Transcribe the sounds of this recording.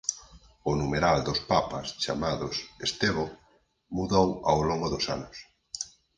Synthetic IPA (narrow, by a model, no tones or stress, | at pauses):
ʊnumeɾald̪ospapast͡ʃa̰maðʊsest̪eβo | muðowawloŋɡʊðosanʊs